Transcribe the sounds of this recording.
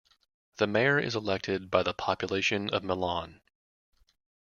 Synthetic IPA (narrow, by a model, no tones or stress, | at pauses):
ðɨmeɪə˞ʔɪ̰zəlɛk̚tʰɪd̚baɪðəpʰɑpjɨleɪʃɨ̃nʌ̰vməlɑ̃n